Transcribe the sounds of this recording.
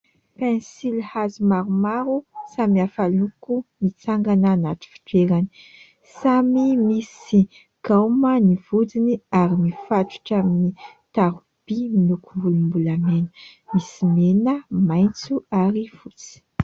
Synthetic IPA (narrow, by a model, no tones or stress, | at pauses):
pensilhazimaɾumaɾusamiafalukumit͡saŋɡananat̪u̥fi̥ʈ͡ʂeɾani̥ | samimisi | ɡ̥awmənivud͡ziniaɾimifaʈ͡ʂu̥ʈ͡ʂaminit̪aɾu | b̥iminukumbulumbulamenə̥ | misimenəmajnt͡suaɾiv̥ut͡si̥